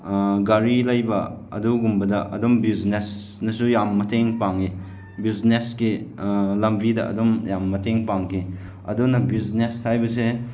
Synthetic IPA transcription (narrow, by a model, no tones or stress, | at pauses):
ɡaɾilɐjbɐɐ̰duɡumbɐdɐʔɐ̰dombiznes | nɐsujamːɐtʰeŋpaŋi | bizneskilɐmbidɐʔɐ̰dɔmjamːɐtʰeŋpaŋkʰi | ɐ̰dunɐbiznestʰajbɐse